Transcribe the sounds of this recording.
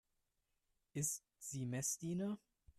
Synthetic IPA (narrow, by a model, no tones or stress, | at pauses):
ʔɪstz̥iːmɛsd̥iːnɐ